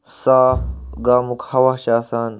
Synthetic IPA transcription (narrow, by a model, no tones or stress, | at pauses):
saːfɡaːmukhɐwaɕaːsaːn